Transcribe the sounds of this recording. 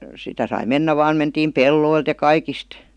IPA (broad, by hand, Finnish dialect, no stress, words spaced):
sitæ sɑi menːæ ʋɑːn mentiːm pelːoilt jɑ kɑikist